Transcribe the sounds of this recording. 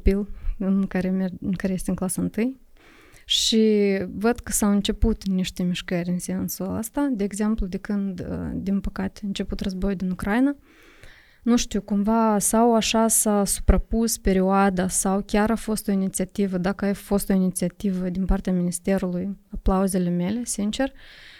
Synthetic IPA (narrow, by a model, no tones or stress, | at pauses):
pilɨnkaɾemeɨŋkaɾeje̞st̪eɨnŋklasəɨnt̪ɨj | ʃivəd̪kə̥sawɨnt͡ʃe̞put̪niʃt̪e̞miʃkəɾʲɨnsiensuaə̰st̪ad̪e̞ːɡze̞mplud̪e̞kɨnd̪̰d̪inpəkat̪e̥ɨnt͡ʃe̞put̪rəzbo̞jud̪inukɾajna | nuʃt̪uwkumvasawaʃasasu̥pɾapuspe̞ɾioad̪asawkʲaɾafo̞st̪o̞init̪siat̪ivəd̪akəajfo̞st̪o̞init̪siat̪ivəd̪inpart̪eaminist̪e̞ɾulujaplauze̞le̞me̞le̞sint͡ʃe̞r